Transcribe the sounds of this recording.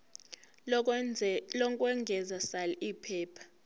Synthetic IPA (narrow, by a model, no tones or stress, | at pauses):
lɔkʼwɛŋɡʱɛzasalɛʔiːpʰɛːpʰḁ